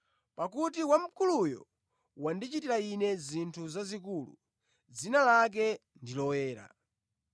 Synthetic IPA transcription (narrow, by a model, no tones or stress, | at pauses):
pakutiwam̩kʰulujɔ̰ | wandit͡ʃitiɾainɛzintʰuzazikuːlṵ | d͡zinalak̬ɛ | ndilɔwɛːɾa̰